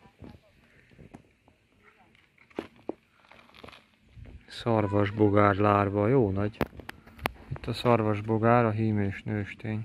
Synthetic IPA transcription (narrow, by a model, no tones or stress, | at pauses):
sɒrvɒʒboɡaːrlaːrvɒjoːnɒɟ | it̪ːɒsɒrvɒʒboɡaːɾɒɦiːmeːʃnøːʃt̪eːɲ